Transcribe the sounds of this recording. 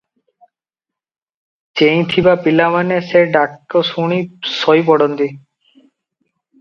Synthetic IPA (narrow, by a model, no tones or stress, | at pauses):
t͡ɕej̃t̪ʰibapilamaneseɖakːosuɽ̃isɔjpɔɽond̪i